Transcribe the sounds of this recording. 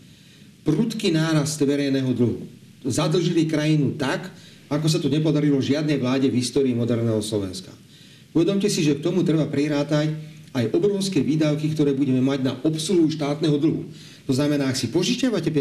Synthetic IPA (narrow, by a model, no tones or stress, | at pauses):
pɾut̪kinaːɾast̪ʋɛɾɛjnɛɦɔd̪l̩ɦṵ | zad̪l̩ʒilikɾajinut̪ak | akɔs̬at̪ɔɲɛp̬ɔd̪aɾilɔʒɪad̪nɛjʋlaːɟɛvɦist̪ɔːɾiːmɔd̪ɛɾnɛːɦɔslɔʋɛ̰nska̰ | uʋɛd̪ɔmcɛsiʒɛk̚t̪ɔmut̪ɾɛbapɾiɾaːt̪acajʔɔbɾɔʊskɛʋiːd̪aʊkikt̪ɔɾɛːbuɟɛmɛmaɟnaʔɔpsuɦuuʃt̪aːt̪nɛɦɔd̪l̩ɦṵ | t̪ɔznamɛnaːaksipɔʒiʃaʋacɛp